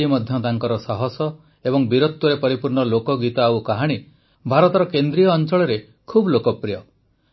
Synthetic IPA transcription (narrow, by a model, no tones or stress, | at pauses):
imɔd̪ʱjɔt̪aŋkɔɾɔsaɦɔsɔ | ebɔŋbiɾot̪ːuɾepɔɾipuɾɳɔlokɔɡit̪aawkaɦaɽ̃i | bʱaɾɔt̪ɔɾɔkend̪ɾijɔːnt͡ʃɔɭɔɾe | kʰubɔlokɔpɾijɔ